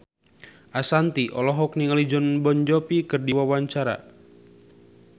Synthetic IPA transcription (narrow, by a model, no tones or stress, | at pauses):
ʔasant̪iʔɔlɔɦɔk̚niŋalid͡ʒɔnbɔɲd͡ʒɔpikɨrdiwawaɲt͡ʃaɾa̰